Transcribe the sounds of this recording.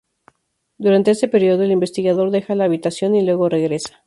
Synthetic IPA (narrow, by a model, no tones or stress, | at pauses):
d̪uɾant̪e̞est̪e̞pe̞ɾjo̞ðo̞elimbe̞st̪iɣaðo̞ɾðe̞xalaːβit̪asjo̞nilwe̞ɣo̞re̞ɣɾe̞sḁ